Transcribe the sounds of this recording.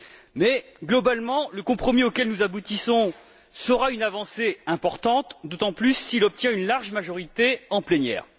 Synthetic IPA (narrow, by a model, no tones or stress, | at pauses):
mɛɡlɔbalmɑ̃ləkɔ̃pχɔmiokʲɛlnuzabut̪isɔ̃ | səʁaynavɑ̃seɛ̃pɔʁt̪ɑ̃t̪d̪ot̪ɑ̃plysːilɔp̚t̪jɛ̃ynlaʁʒmaʒɔʁit̪eɑ̃plɛnjɛ̰ːʁ